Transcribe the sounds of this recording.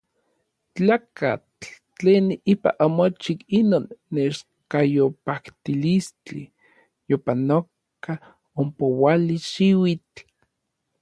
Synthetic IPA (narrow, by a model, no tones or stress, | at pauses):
t͡ɬaːka̰t͡ɬ | t͡ɬeːnipa̰ʔamot͡ʃikinoːnːeʃ | kajopakt̪ilist͡ɬḭ | jopanok | a | ompowaliʃiwit͡ɬ